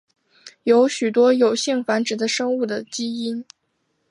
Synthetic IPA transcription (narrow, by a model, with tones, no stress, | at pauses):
jo˧˥ʊɕy˨˩t̪wɔ˥jo˨˩ʊɕi˥˩ŋfa˧˥nʈ͡ʂɻ̩˨˩d̪ə˦ʂɤ˥ŋu˥˩d̪ə˩t͡ɕi˥i˥n